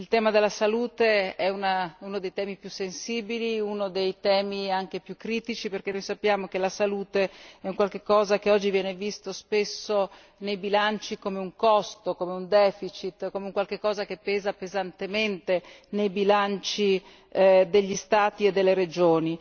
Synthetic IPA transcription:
ilt̪ɛːmad̪elːasaluːt̪eɛunaunod̪ejt̪ɛːmipjusensiːbiliunod̪ejt̪ɛːmiaŋk̟epjukːɾiːt̪it͡ʃiperk̟enojsapːjaːmokelasaluːt̪eɛuŋkwalk̟ekːɔːzak̟eɔd͡ʒːivjɛːnevist̪ospesːo | nejbilant͡ʃikomeuŋkɔst̪okomeund̪ɛːfit͡ʃit̪ːkomeuŋkwalkekːɔːzak̟epːɛːzapezant̪ement̪e | nejbilant͡ʃi | d̪eʎːist̪aːt̪ied̪ːelːeɾed͡ʒoːni

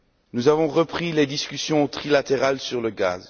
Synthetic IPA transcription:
nuzavɔ̃ʁəpχiled̪iskʲysjɔ̃t̪χilat̪eʁalsyʁləɡa̰ːz

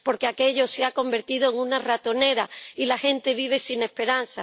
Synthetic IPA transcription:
po̞ɾkeake̞ʎo̞seako̞mbe̞ɾt̪iðoeŋũnarat̪o̞ne̞ɾailaxe̞nt̪e̞βiβ̞e̞sine̞hpe̞ɾanθa

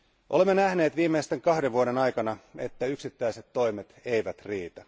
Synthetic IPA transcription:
ʔolemːenæhneːt̪ʋiːmːeist̪eŋkɑhdeʋʋuoɾe̞nɑjkɑnɑe̞̰t̪ːæyksit̪ːæjset̪ːo̞jmet̪ejʋæt̪riːt̪æ

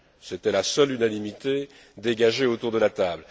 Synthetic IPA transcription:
set̪ɛlasœlynanimit̪e | d̪eɡaʒeot̪uʁd̪əlat̪abl

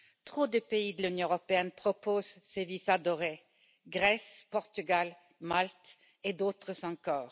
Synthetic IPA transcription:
t̪χod̪əpeid̪əlynjɔ̃əʁɔpeɛnpχɔpozsevisad̪ɔʁe | ɡʁɛspɔʁt̪yɡal | malt̪ | ed̪ot̪χəzɑ̃kɔːʁ

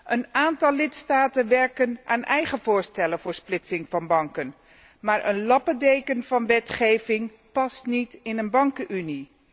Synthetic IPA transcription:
ʔənaːntɑlˠːɪtstaːtənʋɛɹkənʔaːnʔɛjχəvʊːɹstɛləvʊːɹsplɪtsɪŋvɑnbɑŋkən | maːɹʔə̰nlɑpədejkənvɑnʋɛtχejvɪŋ | pɑstnitɪnənbɑŋkəʔyni

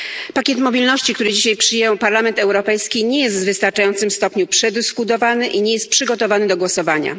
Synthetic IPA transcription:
pakʲɛt̪mɔbʲilnɔɕt͡ɕikt̪uɾɘd͡ʑiɕajpʂɘjɛwpaɾlamɛnt̪ɛwɾɔpɛjskʲiɲɛjɛst̪vvɘst̪aɾt͡ʂajɔnt̪sɘmst̪ɔpɲupʂɛd̪ɘskut̪ɔvanɘʔiɲɛjɛst̪̚pʂɘɡɔt̪ɔvanɘd̪ɔɡwɔsɔvaɲa̰

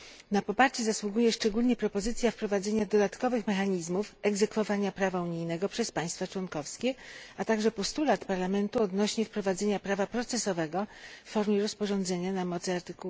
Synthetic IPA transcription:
napɔpaɾt͡ɕɛzaswuɡujɛʂt͡ʂɛɡulɲɛpɾɔpɔzɘt̪sʲjafpɾɔvad̪zɛɲad̪ɔd̪at̪kɔvɘxmɛxaɲizmufɛɡzɛkfɔvaɲapɾavauɲijnɛɡɔpʂɛspaj̃st̪fat͡ʂwɔnkɔfskʲɛat̪aɡʐɛpɔst̪ulat̪paɾlamɛnt̪uɔd̪nɔɕɲɛfpɾɔvad̪zɛɲapɾavapɾɔt̪sɛsɔvɛɡɔfːɔɾmʲjɛɾɔspɔʐɔnd̪zɛɲanamɔt̪sɘaɾt̪ɘkuu

